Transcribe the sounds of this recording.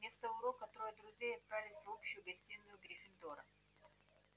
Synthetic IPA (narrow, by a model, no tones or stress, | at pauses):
mʲe̞st̪əʊɾokɐt̪ɾojəd̪ɾʊzʲejɐt̪̚pɾavʲɪlʲɪsʲopɕʊjʊɡɐsʲtʲinːʊjʊɡɾʲɪfʲɪnd̪oɾə̰